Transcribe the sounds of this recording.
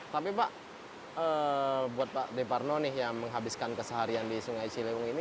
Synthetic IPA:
t̪apibaʔ | əbuat̪̚paʔdeparnonɪhjaməŋɦabiskankəsəɦaɾiandisuŋaisilewʊŋini

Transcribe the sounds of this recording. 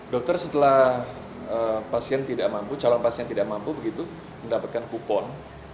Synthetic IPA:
dɔk̚t̪ərsət̪əlah | əpasiɛnt̪idaʔmamput͡ʃalɔŋpasiɛnt̪idaʔmampubəɡit̪u | məndapat̪̚kankupɔn

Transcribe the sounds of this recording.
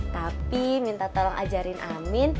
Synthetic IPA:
t̪apimint̪at̪ɔlɔŋʔa̰d͡ʒaɾɪnʔa̰mɪn

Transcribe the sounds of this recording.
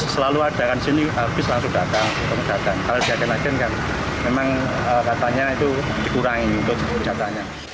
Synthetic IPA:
səlaluad̥a̤kandi̥siniab̥ɪslaŋsʊŋd̥at̪aŋut̪əŋəd̥at̪ankalod̥iakɛnlakɛnkan | memaŋ | əkat̪aɲait̪u | d̥ikuɾaŋiunt̪ʊd͡ʒə̥d͡ʒ̥at̪aɲa

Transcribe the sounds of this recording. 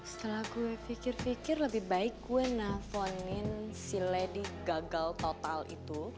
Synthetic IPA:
sə̥t̪əlahkuwɛfikɪrfikɪrləbihbaɪkːuwɛnahfɔnɪnsilɛdiɡaɡalt̪ot̪alḭt̪u

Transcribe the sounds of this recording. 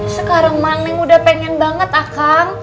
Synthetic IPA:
səkaɾaŋmanːɪŋudahpɛŋɛnbaŋət̪akaŋ

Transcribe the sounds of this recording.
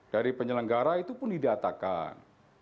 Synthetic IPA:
d̥aɾipəɲələŋɡaɾait̪upʊndidat̪aka̰n

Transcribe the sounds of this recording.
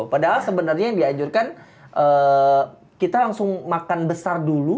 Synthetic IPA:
padaɦalsəbənərɲajaŋdiaɲd͡ʒurkan | ʔəː | kit̪alaŋsʊŋmakanbəsardulu

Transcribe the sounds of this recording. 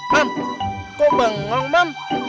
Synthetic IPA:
mamkoɓəŋːɔŋmam

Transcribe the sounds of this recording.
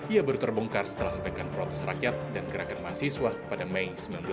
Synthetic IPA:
iabəɾut̪ərbɔŋkarsə̥t̪əlahməpajkanpɾɔt̪ɛsrakjat̪̚danɡəɾakanmasiswapadamejsəmilanbl

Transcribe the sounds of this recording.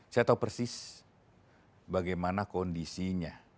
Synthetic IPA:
sajat̪aupərsis | baɡajmanakɔndisiɲa

